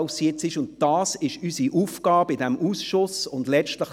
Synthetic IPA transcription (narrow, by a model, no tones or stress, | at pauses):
ʊsiɪt͡sɪʃʊnt̚d̥ɑːsɪʃysiʔuːfɡ̥ɑːbɪdɛmʔuːsʃʊsʊndlɛt͡ʃtləχ